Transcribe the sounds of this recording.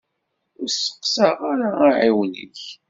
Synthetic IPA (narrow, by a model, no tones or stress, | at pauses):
ʊɾsə̥qsəʁaɾaaʕiwnḭç